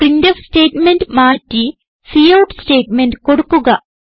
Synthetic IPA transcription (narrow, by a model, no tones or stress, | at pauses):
rindɐfsʈeːʈmenɖmaːtːi | sijɐwʈsʈeːʈmenɖko̞ɽukːuɣɐ